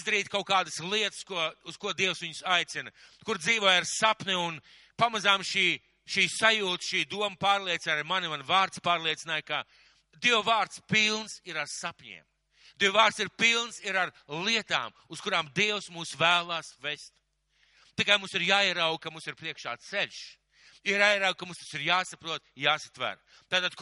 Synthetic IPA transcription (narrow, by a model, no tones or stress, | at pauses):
zd̪ɐɾiːt̪kawkaːd̪əslˠiɛt̪ə̥skuɔuskuɔd̪iɛwsʋiɲʊsajt̪sinɐkuɾd̪ziːvoɔjaɾsapniun | pamazaːmʃiː | ʃiːsajuːt̪ʃiːd̪uɔmɐpaːɾlˠiɛt̪iajmanivanvaːɾt̪spaːɾlˠiɛt̪sinaːjka | d̪iɛwvaːɾt̪spilˠnsiɾaɾsapɲḭːm | d̪iwvaːɾt̪siɾpilˠnsiɾaɾ | lˠiɛt̪a̰ːm | uskuɾaːmd̪iɛwsmuːsvæːlˠaːsvest̪ | t̪ikajmũmsiɾjaːiɛɾawɡ̚kɐmumsiɾpɾiɛkʃa̰ːt̪seʎʲʃ | iɾjaːjiɛɾawɡ̚kːamumst̪ḁsiɾjaːsapɾuɔt̪jaːsḁt̪væ̰ɾ | t̪aːt̪ad̪k